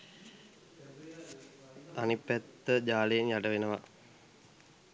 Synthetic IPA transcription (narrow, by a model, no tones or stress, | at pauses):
t̪anipːæt̪ːəd͡ʒaːlejenjaɖəʋenəʋa